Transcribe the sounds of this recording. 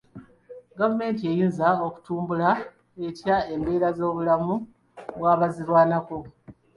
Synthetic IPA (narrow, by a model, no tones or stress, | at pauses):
ɡavume̞ːntie̞jiːnzao̞ku̥tuːmbula | e̞tjae̞mbe̞ːɾazo̞ːβulamu | βwaːβaziɾwaːnako̞